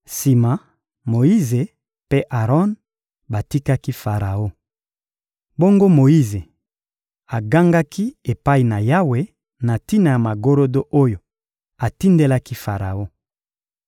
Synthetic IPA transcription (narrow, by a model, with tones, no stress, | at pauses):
si˨ma˨ | mo˨i˦ze˨ | pe˦ʔa˨ʁɔ˦n | ba˨ti˦ka˦ki˦fa˨ʁa˨o˦ | bo˦ŋɡo˦mo˨i˦ze˨ | a˨ɡa˦ŋɡa˦kʰi˦e˨pa˦i˨na˨ja˦we˦ | na˨ti˦na˨ja˨ma˨ɡo˦ɾo˦do˦ʔo˦jo˨ | a˨ti˦nde˦la˦ki˦fa˨ʁa̰˨o˦